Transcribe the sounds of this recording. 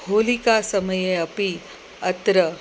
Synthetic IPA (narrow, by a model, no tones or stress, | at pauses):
holikasəməjeɐpi | ət̪ɾə